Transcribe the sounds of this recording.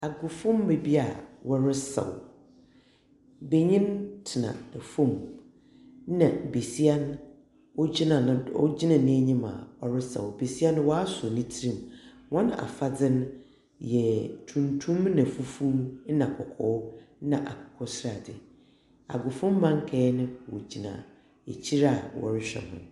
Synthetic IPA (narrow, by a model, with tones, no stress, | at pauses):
a˨ɡʊ˨fʊ̃˦m˦be˨bi˦a̰˨wɔ˦ɾɪ˦sa̰˨w | be˨ɲĩ˦ntʰɪ˨nã̰˨n˨fũ˦m˦ | nã˨be˨si˦a˦n˦ | wɔ˦d͡ʑi˦nã˨ñ˨ɔ̰˦d͡ʑi˦nã˨nɪ̃˦ɛ˦ɲĩ˦ma̰˨ɔ˨ɾɪ˦sa̰˨wbe˨si˦a˦ñ˦wɔ˦a˦sɔ˨nĩ˦tʰi˦ɾĩ˨m˨ | wɔ̃˦n˦a̰˨fa˦d͡zɪ̃˦n˦ | jɛ˨tʰũ˨ntʰũ˦mnã˨fu˦fu˦nã˨kʰɔ˨kʰɔ˦wnã˨ʔa˨kʰɔ̥˨kʰɔ˦sɾa˨dɪ̰˨ | a̰˨ɡʊ˨fõ˦mː˦ã˦ŋ˦kʰɛ˦nɪ̃˦wɔ̰˨d͡ʑi˨nã̰˨ | ḛ˨t͡ɕʰi˦ɾa˦˨wɔ̰˨ɾɪ˦ɕᶣɛ̰˨hʊ̰̃˨n˨